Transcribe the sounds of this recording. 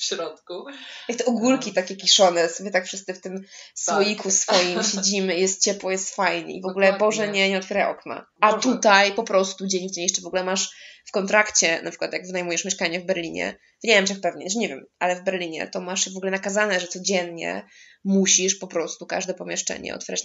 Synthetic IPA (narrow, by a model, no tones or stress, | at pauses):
fɕɾɔt̪kujakt̪ɛʔɔɡulkʲit̪akʲɛkʲiʂɔnɛsɔbʲjɛt̪akfʂɨst̪sɨft̪ɘmswɔjikusfɔjimmɕed͡ʑimɘjɛst̪̚t͡ɕɛpwɔjɛst̪fajɲɛ̰ivɔɡulɛbɔʐɛɲɛɲɛɔt̪fʲɛɾajʔɔ̰kna̰ | at̪ut̪ajpɔpɾɔst̪ud͡ʑɛɲkʲt͡ɕeɲiʂt͡ʂɛvɔɡulɛmaʂfkɔnt̪ɾakt͡ɕɛnapʂɘ̥kwat̪jaɡvɘnajmujɛʂmʲjɛʂkaɲɛvbɛɾlʲiɲɛ̰ | vɲɛmt͡ʂɛxpɛvɲɛʂɲɛvʲjɛ̰mʔalɛvbɛɾlʲiɲɛ̰t̪ɔmaʂvɔɡulɛnakazanɛʐɛt̪sɔd͡ʑɛnɲɛ̰ | muɕiʂpɔpɾɔst̪uka̰ʐd̪ɛpɔmʲjɛʂt͡ʂɛ̰ɲɛ̰ɔ̰t̪fʲɛɾat͡ɕ